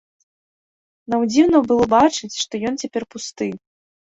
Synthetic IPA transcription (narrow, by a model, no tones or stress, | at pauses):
nɐwd͡zʲiwnɐwbɨlˠɔbat͡ʂɨt͡sʲʂt̪ɔjɔnt͡sʲapʲɛrpust̪ɨj